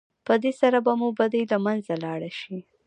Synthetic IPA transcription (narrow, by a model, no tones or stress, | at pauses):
pəd̪esaɾabamubad̪ajlamanzalɑɽaʃi